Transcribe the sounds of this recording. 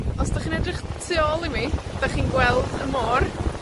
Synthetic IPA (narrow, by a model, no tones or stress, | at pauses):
ɔsd̥aχiːnɛdrɪχtʰɪɔlˠimid̥aχiːnɡwɛlˠdəmɔːr